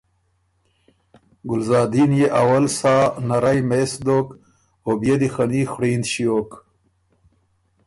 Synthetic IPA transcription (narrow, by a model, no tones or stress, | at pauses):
ɡʊlzaːd̪injeʔawɐlsaːnaɾajmesd̪ok | objed̪ixɐniːxɽiːnd̪ɕijoːk